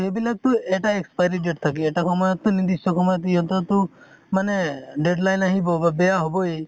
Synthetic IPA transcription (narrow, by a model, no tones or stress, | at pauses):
ɦebilak̚t̪ũeʈaekspajɾid͡ʒeʈt̪ʰakieʈakʰɔmɔjɔt̪unid̪isɔkʰɔmɔjɔt̪ujɦɔnt̪ɔt̪ũ | maneɖeɖlajnaɦĩbɔbabejaɦobɔe